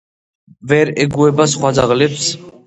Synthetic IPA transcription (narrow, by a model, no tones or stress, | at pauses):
vɛɾɛɡuɛbas̬χwad͡zaʁlɛps